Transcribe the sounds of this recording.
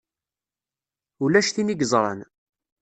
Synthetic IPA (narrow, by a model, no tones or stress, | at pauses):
ulæʃθiniɡzˤɾˤɑ̰n